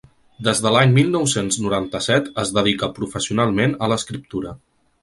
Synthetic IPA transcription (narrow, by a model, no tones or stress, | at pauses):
d̪ezðəlaɲmilˠnɔwsenznuɾant̪əsɛt̪əzðəð̞ikəpɾufəsiunalˠmenələskɾip̚t̪uɾə